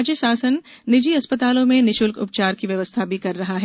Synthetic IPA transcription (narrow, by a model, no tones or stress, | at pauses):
d͡ʒjəsaːsənː | ɪd͡ʒiɐspət̪aːlõmẽnɪʃʊlkʊ̰p̚t͡ʃaːɾkiʋjɐʋəst̪ʰabikɐɾːɐɦaɦɛ